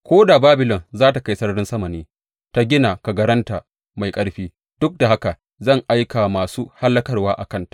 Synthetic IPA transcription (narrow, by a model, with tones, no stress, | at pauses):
kʷoː˦da˨baː˦bɪ˨lɔ˨nzaː˦ta˨ka˦jsɐ˦ɽɽɪ˦nsɐ˦mɐ˨niː˦ | ta˦ɡʲɪ˦na˨ka˨ɡɐ˦ɾɐ˦nta˨ | ma˨jkʼɐ˦ɽɸiː˦ | d̥ʊ˦k̚da˨ɦa˦ka˨ | zɐ˦˨ŋʔa˦jka˨maː˨suː˦ha˦lːɐ˦kɐ˦rwaː˦ʔa̰˨kɐ˦ntḁ˨ʔ